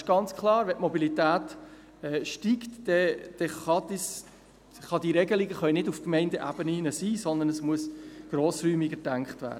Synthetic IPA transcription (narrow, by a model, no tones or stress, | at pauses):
ʃɡ̥ɑnt͡skʰlˠɑːɾʋɛtmɔbilit̪æːt | ɛʃtiːktd̥ɛd̥ɛχɑd̪is | χɑd̥iɾɛɡəliɡəχœʏnɪdufkmɛɪndəʔæbəninəsiːsɔnd̪ənəsmuəsɡ̥ɾoːsɾyːmiɡədæŋkχtvæ̰ːɾdə